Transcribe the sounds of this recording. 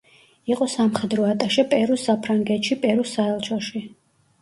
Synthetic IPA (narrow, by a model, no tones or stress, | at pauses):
iqʼɔsamχɛd̪ɾɔat̪ʼaʃɛpʼɛɾusapʰɾaŋɡɛt̪ʃipʼɛɾusaɛlˠt͡ʃʰɔʃi